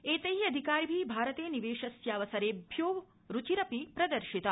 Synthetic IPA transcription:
eːt̪ɐɦiɐd̪ʱikaːɾbʱiːbʱaːɾɐt̪eːniʋeːʃɐsjaːʋɐsɐɾeːbʱjoːʋ | ɾut͡ʃiɾɐpipɾɐd̪ɐɾʃit̪ɐ

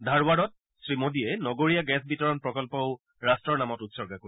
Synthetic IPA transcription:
dʱaɹwaɹɔt̚ | sɹimodiɛnɔɡoɹijaɡɛsbitɔɹɔnpɹɔkɔlpɔʊ | ɹastɹɔɹnamɔtutsɔɹɡakoi

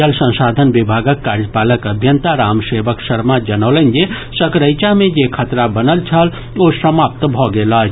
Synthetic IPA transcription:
əlsə̃saːd̪ʱənʋɪbʱaːɡəkːaːɾəpaːləkəbʱjənt̪aɾaːmseːʋəksəɾmad͡ʒɐnəːlənd͡ʒe | səkɾəɪt͡ʃamẽd͡ʒekʰət̪ɾabənəlt͡ʃʰəl | oːsəmaːp̚t̪bʱɔɡela

